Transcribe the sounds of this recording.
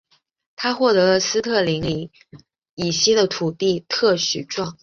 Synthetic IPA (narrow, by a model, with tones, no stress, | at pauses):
t̪ʰa˥xwɔ˥˩t̪ɤ˧˥lə˧sɹ̩˥t̪ʰɤ˥˩li˧˥ŋli˧˥ŋ | i˨˩ɕɛ˥d̪ə˨t̪ʰu˨˩t̪i˥˧t̪ʰɤ˥˩ɕy˨˥˩ʈ͡ʂwɑ˥˩ŋ